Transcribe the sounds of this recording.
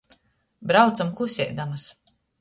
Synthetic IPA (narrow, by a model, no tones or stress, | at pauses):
bɾawt̪samkˠusʲɛ̰jd̪amas